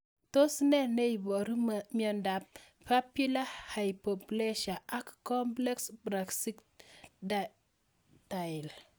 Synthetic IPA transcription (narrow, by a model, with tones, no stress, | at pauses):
to˦snɛ˦ne˦jbɔ˨ɾmjɔ˨nda˨p̚ | pa˦pju˦la˦ha˨jpo˨pleʃa˨ʔa˦kːɔ˦mplɛ˦ksbɾa˨ksi˦kd | tajl